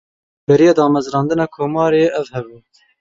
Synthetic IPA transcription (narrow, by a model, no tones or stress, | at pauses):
bɛɾijɑːd̪ɑːmɛzɾɑːnd̪ɨnɑːkʰoːmɑːɾeɛvhɛvɨt̪